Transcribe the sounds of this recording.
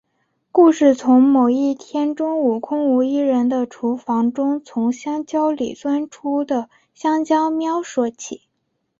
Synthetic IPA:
ku˥˧ʂɻ̩˥˩t͡sʰʊ˧˥ŋmo˨˩ʊi˥˩t̪ʰjɛ˥nʈ͡ʂʊ˥ŋu˨˩kʰʊ˥ŋu˧˥i˥ɻə˧˥nd̪ə˧ʈ͡ʂʰu˧˥fɑ˧˥ŋʈ͡ʂʊ˥ŋt͡sʰʊ˧˥ŋɕjɑ˥ŋt͡ɕjɑ˥ʊlḭ˨˩t͡swa˥nʈ͡ʂʰu˥d̪ə˨ | ɕjɑ˥ŋt͡ɕjɑ˥ʊmjɑ˥ʊʂwɔ˧˩t͡ɕʰḭ˨˩˦

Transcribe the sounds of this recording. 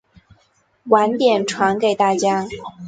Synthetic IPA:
wa˧˥nt̪jɛ˨˩nʈ͡ʂʰwa˧˥nke˨˩ɪt̪a˥˩t͡ɕja˥

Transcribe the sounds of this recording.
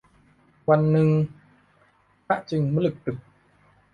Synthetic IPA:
kwa˧nːɨ˧ŋ | a̰ː˧˥ʔt͡ɕi˨˧˩ŋmː˧˨˦lɨ˨˩k̚t̪ɨ˨˩k̚

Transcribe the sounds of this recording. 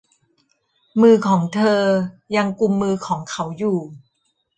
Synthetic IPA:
mɯː˧kʰɔː˩˦ŋt̪ʰɤː˧ja˧ŋku˧mːɯː˧kʰɔː˩˦ŋkʰa˦wjuː˨˩

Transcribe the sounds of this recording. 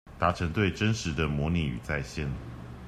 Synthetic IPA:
t̪a˧˥ʈ͡ʂʰə˧˥ŋt̪we˥˨ɪʈ͡ʂə˦nʂɻ̩˨˧˦d̪ə˨mwɔ˧˥˦ni˨˩y̰˨˩t͡sa˥˧˨ɪɕjɛ˥˩n

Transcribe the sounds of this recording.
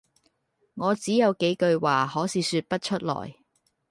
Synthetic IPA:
ŋɔː˨˧t͡siː˨˥jɐ˨˧wke˨˥jkɵ˧ɥwaː˨˩hɔː˨˥siː˨˧syː˧t̚pɐ˥t̚t͡ʃʰɵ˥t̚lɔ̰ː˨˩j

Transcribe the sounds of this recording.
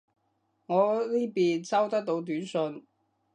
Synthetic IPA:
ŋɔː˨˧liː˥piː˨nt͡sɐ˥wt̪ɐ˥k̚t̪o˨˧˥wt̪yː˨˥nsɵ˧n

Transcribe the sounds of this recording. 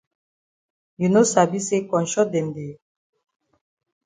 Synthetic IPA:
ju˨no˦sa˨bi˦se˦kɔ˨nʃɔ˦dɛ˨nde˨

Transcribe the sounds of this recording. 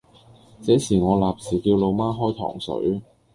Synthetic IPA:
t͡sɛː˨˥siː˨˩ŋɔː˨˧laː˨p̚siː˨˩kiː˧wlo˨˧wmaː˥ɦɔː˥jt̪ʰɔ̰ː˨˩ŋsɵ̰˨˥ɥ

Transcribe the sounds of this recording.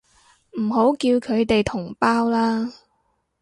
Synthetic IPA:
m̩˨˩ɦo˨˥wkiː˧wkʰɵ˨˧ɥt̪e˨jt̪ʰʊ˨˩ŋpaː˥wlaː˥

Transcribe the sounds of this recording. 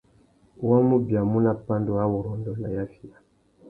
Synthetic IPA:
wa˦mu˦bja˨mu˦na˨pa˦ndu˦a˦wɔ˨ɾɔ˨ndɔ˨na˨ja˦fi˨a˨

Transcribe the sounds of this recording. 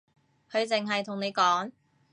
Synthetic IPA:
kʰɵ˨˧ɥt͡sɪ˨ŋɦɐ˨jt̪ʰʊ˨˩ŋne˨˧jkɔː˨˥ŋ

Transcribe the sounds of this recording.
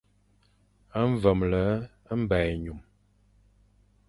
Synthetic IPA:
ə˦ɱ˦və˨mlə˨˦ | ə˦m˦bɛ˨ɲu˨m

